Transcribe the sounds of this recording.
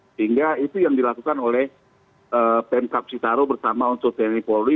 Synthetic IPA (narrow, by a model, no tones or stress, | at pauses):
səhiŋɡait̪ujaŋdilakukanolɛh | əpɛnkap̚t͡ʃit̪aɾobərsamaunt̪ʊk̚t̪ɛnipɔli